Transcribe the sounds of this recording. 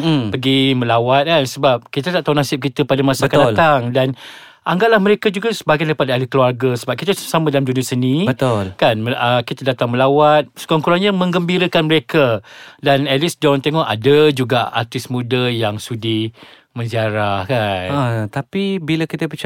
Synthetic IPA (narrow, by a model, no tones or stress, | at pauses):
pəɡimə̃lawat̪̚kansəbap̚kit̪ət̪aʔt̪aɦunasɪp̚kit̪əpadamasakadat̪aŋdan | ʔaŋɡaʔlahməɾekad͡ʒuɡasəbaɡajndaipadaalikəluarɡəsəbap̚kit̪əssamãdalamd͡ʒuniasənĩbət̪ʊlkanməəkit̪adat̪aŋməlawat̪̚sə̥kaŋkuɾaŋɲamə̃ŋɡəmbiɾəkanməɾekʰadanɛlisdɔnt̪eŋɔʔa̰dəd͡ʒuɡaa̰r̚t̪ɪsmũdəjaŋsudi | mə̃nsiaɾahkanət̪apibiləkit̪əpət͡ʃ